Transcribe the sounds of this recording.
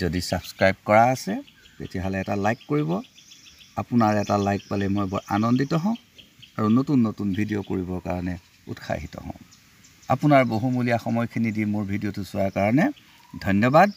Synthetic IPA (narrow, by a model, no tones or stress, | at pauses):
zodisabskɹajb̚kɔɹaːsɛ | pḛtiaɦɔlɛːtalajkːoɹibɔ | a̰pʊnaɹɛtalajk̚palɛmojbɔ̰ɹʔa̰nɔnditɔɦɔ̃ʊ̃ | aɹunotunːotunbʱidijokoɹibɔɹka̰ɹɔnɛ | ṵtxʰa̰ɦitɔ̰ɦɔ̰̃ʊ̃ | a̰pʊnaɹboɦumulijaxɔmɔjkʰinidimʊɹbʱidiotʊsʊwakaɹɔnɛ | dʱɔnjɔbad̚